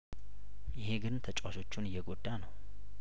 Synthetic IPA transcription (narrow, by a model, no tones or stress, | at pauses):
jɪheɡɨnt̪ʰət͡ʃʼwaʃo̞t͡ʃːunɨjːɛɡod̪ːanəw